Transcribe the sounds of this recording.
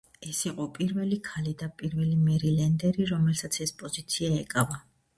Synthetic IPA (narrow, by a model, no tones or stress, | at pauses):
ɛsiqʼɔpʼiɾvɛlikʰalid̪apʼiɾvɛlimɛɾilɛnd̪ɛɾiɾɔmɛlsat̪sʰɛspʼɔzit̪sʰiaɛkʼava